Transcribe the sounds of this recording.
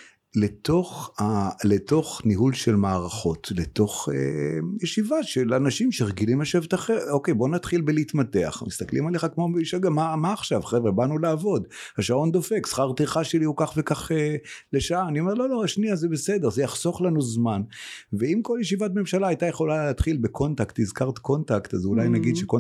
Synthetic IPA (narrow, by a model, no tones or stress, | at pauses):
leto̞χaleto̞χniɦulʃelmaːʁaχo̞tleto̞χḛjeʃivaʃelanaʃimʃeʁeɡilimaʃevet̪aχeoke̞jbo̞nat̪χilbelitmate̞a̰χmist̪aklimaleχakmobeiʃaɡamamaːχʃavχevʁebanulaːvo̞d̪haʃao̞nd̪o̞fe̞ksχaʁt̪iχaʃeliukaχve̞kaχeleʃaaːnio̞me̞ʁlolo̞aʃniazebesed̪e̞ʁzejaχso̞χlanuzmanveimkoljeʃivat̚me̞mʃalaajt̪ajeχo̞lalaːt̪χilbekʰo̞ntakt̪izkaʁt̪ko̞ntakt̪azulajnaɡid̪ʃeko